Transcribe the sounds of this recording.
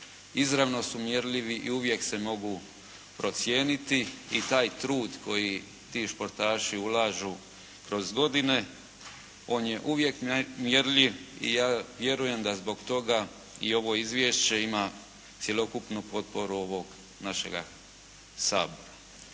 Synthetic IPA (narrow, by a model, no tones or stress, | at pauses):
izɾaʋno̞sumje̞ɾʎiʋiʔḭuʋje̞kse̞mo̞ɡu | pɾo̞t̪sje̞ːnit̪iit̪aːjt̪ɾuːd̪ko̞ji | t̪iːʃpo̞ɾt̪aːʃiulaːʒu | kɾo̞zɡo̞d̪ine̞ | o̞ːnje̞ʔuʋje̞kmjeɾʎiʋḭjaːʋje̞ɾuje̞md̪azbo̞ɡt̪o̞ɡa | io̞ʋo̞izʋje̞ʃt͡ɕe̞ima | t̪sʲje̞lo̞kupnupo̞t̪̚po̞ɾuo̞ʋo̞ɡ | naʃe̞̰ɡa̰ | sa̰ːbo̞ɾa